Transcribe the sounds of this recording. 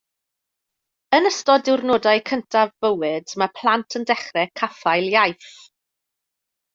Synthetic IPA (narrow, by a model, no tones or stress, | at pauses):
ənəstɔdɪwrnoːdaɨkʰəntʰavːəwɨdmapʰlˠantʰəndɛχrɛkʰafajlˠjajθ